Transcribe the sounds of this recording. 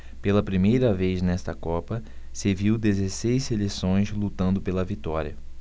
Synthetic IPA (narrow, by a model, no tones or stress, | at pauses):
pelɐpɾimejɾɐvejznɛst̪ɐkɔpɐ | seviwd̪ezesejsselesõj̃zlut̪ɐ̃nd̪ʊpelɐvit̪ɔɾʲiɐ